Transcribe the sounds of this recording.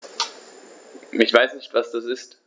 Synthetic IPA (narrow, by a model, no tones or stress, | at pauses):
ɪçv̥aɪsnɪçtv̥asd̥asɪst